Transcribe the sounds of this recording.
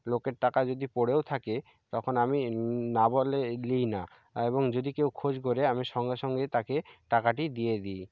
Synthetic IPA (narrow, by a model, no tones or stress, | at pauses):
lokeɾʈakad͡ʑod̪ipoɽewt̪ʰake | t̪ɔkʰonaminabolelijna | eβoŋd͡ʑod̪ikewkʰod͡ʑɡoɾeamiʃɔŋɡeʃɔŋɡet̪akeʈakaʈid̪ijed̪ij